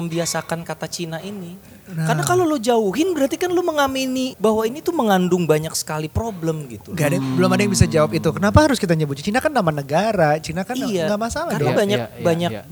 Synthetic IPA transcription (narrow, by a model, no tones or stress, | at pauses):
əmbiasakankat̪at͡ʃinaʔini | karnakalolod͡ʒauɦɪnbəɾat̪ikanloməŋaminibahwainit̪uməŋandʊŋbaɲak̚sə̥kalipɾobləmɡitt̪uŋɡadajbəlʊmadajaŋbisad͡ʒawapit̪ukənapahaɾʊskit̪aɲəbʊt̪̚t͡ʃinakanːamanəɡaɾat͡ʃinakaniijaŋɡamasalaadɔabaɲɲak̚baɲak̚